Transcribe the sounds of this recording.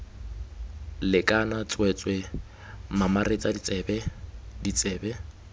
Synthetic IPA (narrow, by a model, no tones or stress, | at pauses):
lɪkʼanat͡sʼwɛt͡sʼwɛ | mamaret͡sʼabɛdit͡sʼɛːbɛ